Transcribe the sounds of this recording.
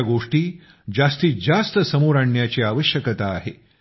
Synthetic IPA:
ɡoʂʈiː | d͡zast̪iːd͡zast̪əsəmoɾaɳjat͡ɕeaʋəɕjəkət̪aːɦe

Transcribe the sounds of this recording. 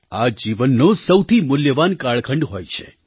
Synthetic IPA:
ad͡ʒiʋənːosəwt̪ʰimʊljəʋankaɭkʰəɳɖɦojt͡ʃʰḛ

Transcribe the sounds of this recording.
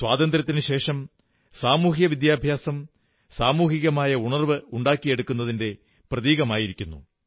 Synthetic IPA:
sʋaːd̪ɐnd̪ɾɐt̪ːinɨɕe̞ːʂɐm | saːmuːɦjɐʋid̪jaːbʱjaːsɐm | saːmuːɦiɣɐmaːjɐuɳɐrʋɨuɳɖaːkːije̞ɽukːunːɐðinde̞ | prɐðiːɣɐmaːjiɾikʲːunːṵ

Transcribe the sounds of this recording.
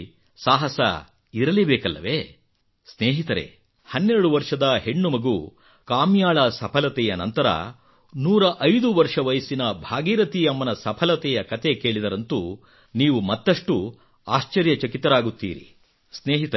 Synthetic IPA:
saːɦɐsɐ̰ | iɾɐlibɛːkɐlːɐʋeː | sneːɦit̪ɐɾe̞̰ | hɐnːeɾɐɽuʋɐɾʂɐd̪ɐɦeɳːumɐɡu | kaːmjaːɭɐsɐpʰɐlɐt̪ɛjɐnɐ̰nt̪ɐɾɐ̰ | nuːɾɐʔɐjd̪uʋɐɾʂɐʋɐjsinɐbʱaːɡiːɾɐt̪iɐmːɐnɐsɐpʰɐlɐt̪ɛjɐkɐt̪e̞ke̞ːɭid̪ɐɾɐnt̪u | niːʋumɐt̪ːɐʂʈu | aːʃt͡ʃɐɾjɐt͡ʃɐkit̪ːɐɾaːɡut̪ːḭːɾḭ | sneːɦit̪ɐ

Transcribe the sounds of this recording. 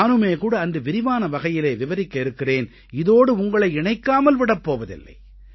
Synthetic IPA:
nɯmeːkuːɽɐːndɯʋɪɾɪʋaːnɐʋɐɣɐjɪleːʋɪʋɐɾɪkːɐɪɾɯkːɪreːn | ɪðoːɽɯʊŋɡɐɭɐɪɪɳɐɪkːaːmɐlʋɪɽɐpːoːʋɐðɪ̰lːɐ̰ɪ

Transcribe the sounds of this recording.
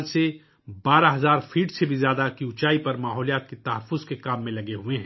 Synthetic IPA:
lse | baːɾaɦɐzaːɾfʰiːʈsebʱizjaːd̪akiʊt͡ʃaːipɐɾmaːɦɔːlijaːt̪̚ket̪ɐɦəfːʊzkekaːmːẽlɐɡeɦueɦɛ̃ː

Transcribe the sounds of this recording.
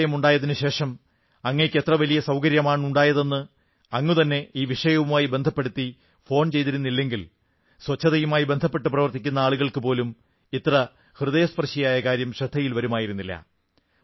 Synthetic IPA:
jɐmuɳɖaːjɐðinɨɕe̞ːʂɐm | ɐŋːɐnekʲːet̪rɐʋɐlijɐsɐwkɐɾjɐmaːɳuɳɖaːjɐðe̞nːɨ | ɐŋːut̪ɐnːe̞iːʋiʂɐjɐʋumaːjibe̞nd̪ʱɐpːeɽut̪ːi | fo̞ːɳt͡ɕe̞jt̪iɾunːilːe̞ŋɡil | swɐt͡ɕʰːɐðɐjumaːjibe̞nd̪ʱɐpːe̞ʈːɨprɐʋɐrt̪ikʲːunːɐaːɭuɣɐɭkɨpo̞ːlum | it̪rɐ | hrɨðɐjɐspɐrɕijaːjɐkaːɾjɐmɕrɐd̪ʱːɐjilʋɐɾumaːjiɾunːilːɐ̰

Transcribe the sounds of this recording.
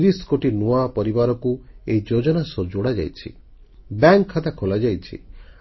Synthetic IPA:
ɾiskoʈinuapɔɾibaɾɔkuejd͡ʒod͡ʒɔnasɔd͡ʒoɽad͡ʒa̰jt͡ʃʰḭ | baŋkʰːat̪akʰolad͡ʒajt͡ʃʰḭ

